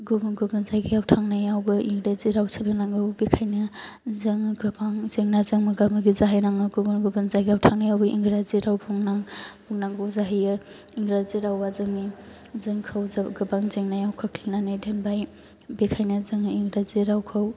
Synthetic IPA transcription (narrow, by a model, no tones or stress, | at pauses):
ɡubɯnɡubɯnzajɡijawtʰaŋnajawɡɯʔiŋɡɾaziɾawsʰɯlɡɯnaŋɡɯwbekʰajnɯ | zɯŋɡɯbaŋzeŋnazɯŋmɯɡamɯɡizaɦajɾaŋɯɡubɯnɡubɯnzajɡijawtʰaŋnajawbɯʔḭŋɡɾaziɾawbʰuŋnaŋbʰuŋnaŋɡɯwzaɦijɯ | iŋɡɾaziɾawbazɯŋni | zɯŋkʰɐwzaɡɯbaŋzeŋnajawkʰakʰlinanajdenbaj | bekʰajnɯzɯŋiŋɡɾaziɾawkʰaw